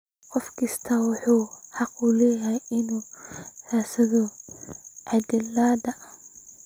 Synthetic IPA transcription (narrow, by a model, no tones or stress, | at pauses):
qɔfkʰɐst̪ʰɐwɑħuːħɑqʊlɛːjɛjɪnuːraːsɐðɔ | ʕɑd̪ɪlːaːd̪ɐ